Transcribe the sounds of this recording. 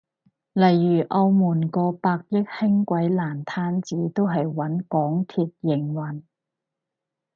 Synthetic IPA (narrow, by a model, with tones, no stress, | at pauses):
lɐ˨˩jːyː˨˩ʔɐ˧wmuː˨˩nkɔː˧paː˧k̚jɪ˥k̚hɪ˥ŋkʷɐ˨˥jlaː˨˩nt̪ʰaː˥nt͡siː˨˥t̪o˥wɦɐ˨jwɐ˨˥nkɔː˨˥ŋt̪ʰiː˨˧t̚jɪ˨˩ŋwɐ˨˩n